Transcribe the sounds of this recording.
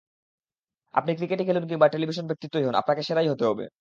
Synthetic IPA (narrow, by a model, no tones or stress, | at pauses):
a̰pnikɾikeʈekʰelunkiŋbaʈelibʱiʃ̬onbʱek̚t̪it̪ːoiɦona̰pnakeʃeɾajɦot̪eɦɔbḛ